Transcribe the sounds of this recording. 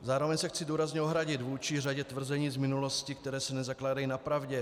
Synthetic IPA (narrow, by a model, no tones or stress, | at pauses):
zaːɾo̞vɛɲsɛxt͡sɪduːɾazɲɛoɦɾaɟɪt̪vuːt͡ʃiraɟɛt̪vr̩zɛɲiːzmɪnuloscɪkt̪ɛɾɛːsɛnɛzaklaːdajinapɾavɟɛ